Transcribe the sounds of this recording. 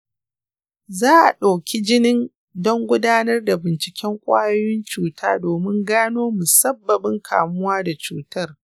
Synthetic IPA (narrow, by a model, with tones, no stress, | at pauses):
zaː˦ʔa̰˨ɗa˨kʲi˦d͡ʒɪ˦nɪ˦n | dɔ˦ŋɡʷʊ˦daː˦nɐ˦rda˨bɪ˨nt͡ʃɪ˨kʲɛ˦ŋkʷʼa̰ː˦jɔ˦jɪ˦nt͡ʃuː˦tʰaː˦doː˨mɪ˦ŋɡaː˦noː˦mʊ˨sɐ˦bːɐ˨bɪ˦ŋkʰa̰ː˨mʊ˦waː˦da˨t͡ʃuː˦tɐ˦r